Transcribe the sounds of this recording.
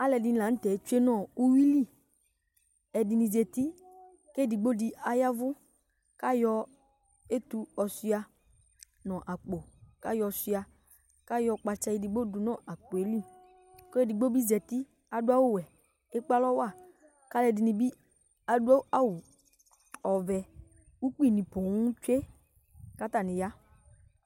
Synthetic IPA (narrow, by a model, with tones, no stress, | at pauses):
a˦lɛ˨dɪ˨n˨la˨˦n̩˦t̪ɛ˨˦t͡ʃu˦e˦nɔ̃˦˨u˦wi˦li˦˨ | ɛ˨di˨nĩ˨zɛ˨t̪i˦ | ke˦˨di˨ɡ͡bo˦di˨a˨ja˦vʊ˦ | ka˦jɔ˧ | e˦t̪u˨ɔ˨si˦a˧ | nɔ̃˨ʔa˨k͡po˨ka˦jɔ˧si˧a˨ | ka˦jɔ˧k͡pa˧t͡ʃa˧ji˧di˨ɡ͡bo˦du˨nɔ̃˦˨ʔa˨k͡po˨e˨li˦˨ | kɔ˦ɛ˦˨di˨ɡ͡bo˦bi˦zɛ˨ti˦ | a˨dʊ˦a˦wu˦wɛ˨ | e˦k͡pa˦lɔ˦wa˦˨ | ka˦lɛ˨˧dɪ˨˧nĩ˧bi˦ | a˨dʊ˦a˦a˦wʊ˨ | ɔ˨vɛ˨ | u˦k͡pi˦˨nĩ˨pɔ˨wũ˦t͡ʃe˦ | ka˦ta˦˨nɪ̃˨ja˦